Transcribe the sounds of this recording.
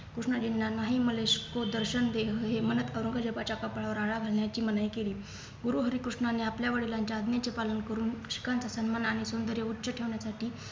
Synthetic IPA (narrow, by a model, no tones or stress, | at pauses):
kɾuʂɳad͡ʑinːanaɦiːməleɕkod̪əɾɕənd̪eɦɦemənət̪əʋɾəŋɡʱad͡ʑepat͡ɕakəpɭaʋəɾaɭaɡʱalɳjat͡ɕiːmənəjkeliː | ɡuɾuɦəɾiːkɾuʂɳaneapljaʋəɽilaɲt͡ɕaad̪njat͡sepalənkəɾuːnɕi̥kant͡sasənmanaɽ̃isond̪əɾjeutːɕəʈʰeʋɳjasaʈiː